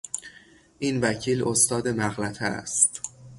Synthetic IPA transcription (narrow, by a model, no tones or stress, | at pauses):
ʔiːnvæcʰiːlʔost̪ɒːd̪e̞mæɣlæt̪ʰææ̰st̪